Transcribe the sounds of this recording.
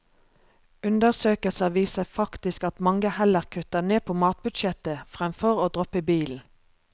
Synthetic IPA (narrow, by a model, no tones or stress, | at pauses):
ʉnd̪əʁsøːkəlsɑʋiːsəfɑkt̪ɪskɑt̪mɑŋəhɛləʁkʰʉt̪əneːpʰoːmɑːt̪̚bʉd̪ʃɛt̪əfʁɛmfɔʁoːd̪ʁɔpəbiːln̩